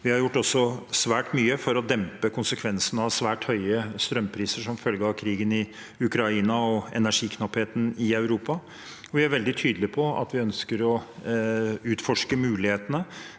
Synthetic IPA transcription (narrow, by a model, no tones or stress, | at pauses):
ʋɪhɑɾjʊʈːɔsːɔsʋæːʈmyːəfɔɾɔd̪ɛmpəkʰʊnsəkʰʋɛnsənɑʋsʋæːʈhœʏəst̪ɾœmːpʰɾiːsəʂɔmfœlɡəɑkʰɾiːɡənɪ | ʉkɾɑiːnɑɔɛnæʂiːkʰnɑpheːt̪ən̩ɪɑʉɾuːpɑ | ɔʋɪæɾʋɛld̪ɪt̪ʰyːd̪əlɪpʰɔɑ̰t̪ʋɪœnskəɾɔ | ʉːt̪fɔʂkəmʉːlɪheːt̪ənə